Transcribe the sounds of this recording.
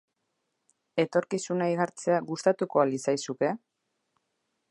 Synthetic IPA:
e̞t̪o̞ɾkisunajɣaɾt͡se̞aɣust̪at̪uko̞alisajsuke̞

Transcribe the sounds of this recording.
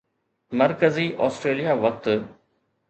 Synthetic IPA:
mɐɾkəziʔɔːsʈɾeːlijaʋɐk̚t̪

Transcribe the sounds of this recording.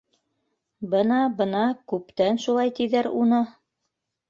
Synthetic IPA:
bɤnɑbɤ̆nɑkʉpt̪ænʃulˠɑjt̪iðæɾunɤ

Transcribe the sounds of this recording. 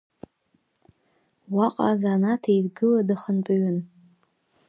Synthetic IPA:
waqʼa̰zanatʰajdɡɨladɨχənpʼaɥɪn

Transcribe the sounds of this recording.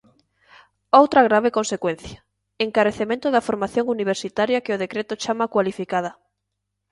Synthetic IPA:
owt̪ɾɐɣ̞ɾaβ̞ekonsekwen̟θjɐ̥ | eŋkaɾeθemẽnt̪ʊðɐfoɾmaθjõŋuniβ̞eɾsit̪aɾjɐkɪʊðekɾet̪ʊt͡ʃamakwalifikað̞ɐ

